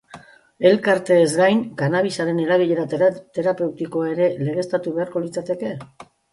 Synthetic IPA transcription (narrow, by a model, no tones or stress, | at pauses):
e̞lkaɾt̪e̞ːzɡajŋkanaβ̞isaɾe̞ne̞ɾaβiʎe̞ɾat̪e̞ɾape̞wt̪iko̞ae̞ɾe̞le̞ɣ̞e̞st̪at̪uβe̞aɾko̞lit͡sat̪e̞ke̞